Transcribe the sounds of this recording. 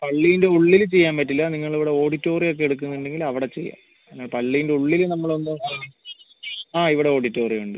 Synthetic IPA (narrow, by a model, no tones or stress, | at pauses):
pɐɭːijinde̞uɭːilt͡ɕejːaːmpɐtːilːɐniŋːɐɭiʋiɽe̞o̞ːɽitːo̞ːrijo̞k̬ːe̞eɽuk̬ːunːɐuɳɖe̞ŋɡilɐʋiɽe̞t͡ɕe̞̰jːa̰ːpenːaːɭpɐɭːijinde̞uɭːilnɐmːɐɭo̞nːɨ | aːiʋiɽe̞o̞ːɽitːo̞ːriuɳɖɨ